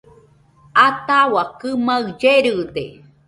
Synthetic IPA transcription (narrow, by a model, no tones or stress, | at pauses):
at̪awakɨmaɯd͡ʒeɾɯd̪ḛ